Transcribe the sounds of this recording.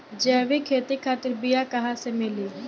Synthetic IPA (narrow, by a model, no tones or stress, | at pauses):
d͡ʒɛːʋikʰeːt̪ikʰaːt̪ɪɾbɪjakɐɦãsemɪli